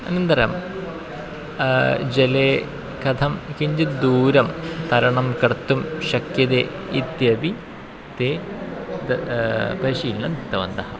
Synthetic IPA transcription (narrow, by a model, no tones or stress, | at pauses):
ɐnɐnd̪ɐɾɐ̰m | d͡ʑeleː | kɐd̪ʰʱɐmkiɲd͡ʑɨd̪uːɾɐmt̪ɐɾɐɳɐmkɐɽɐt̪ːumɕɐkjɐd̪e | it̪jɐbi | t̪e | pɐɾiʂiːilnɐnit̪ːɐʋɐ̰nd̪ɐhɐm